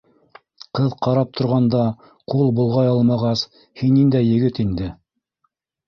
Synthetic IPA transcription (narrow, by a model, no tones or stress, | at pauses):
qɤðqɑɾɑp̚t̪ʰŏɾʁɑnd̪ɑ | qulˠbulˠʁɑjɑlˠmɑʁɑs | hinːind̪æjːɘ̆ɡɘt̪ind̪ɘ